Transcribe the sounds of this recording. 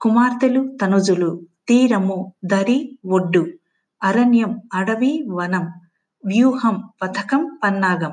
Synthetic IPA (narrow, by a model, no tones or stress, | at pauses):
kumaːɾt̪ɐlut̪ɐnud͡ʒulut̪iːɾɐmud̪ɐɾiʋoɖːu | ɐɾɐnjɐmɐɽɐʋiʋɐnɐm | ʋjuːɦɐmpɐt̪ʰɐkɐmpɐnːaːɡɐm